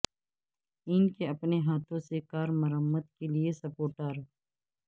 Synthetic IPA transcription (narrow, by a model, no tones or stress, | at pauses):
ɪːnkeɐpneɦaːt̪ʰõsekaːɾməɾəmːəd̪keliesəpoːʈəːɾ